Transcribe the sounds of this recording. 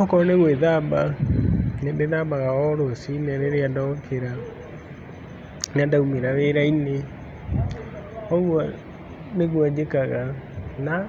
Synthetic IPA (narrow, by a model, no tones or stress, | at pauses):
ɔkɔɾɔneɣweðaba | nneðabaɣaɔɾosinɛɾeɾeandɔkʰeɾa | neandaumeɾaweɾaine | ɔɣwɔ | neɣwad͡ʒekaɣana